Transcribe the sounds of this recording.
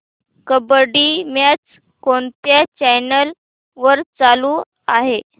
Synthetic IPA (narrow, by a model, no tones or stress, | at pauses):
kəbəɽiːmjat͡s | koɳt̪jat͡ɕajnəl | ʋəɾt͡saluː | aɦe